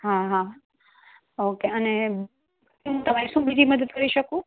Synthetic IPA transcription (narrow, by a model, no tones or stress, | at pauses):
ɦaɦa | okeəne | ɦũt̪əmaɾiʃũːbid͡ʒ̪ʱiməd̪ət̪̚kəɾiʃəkũ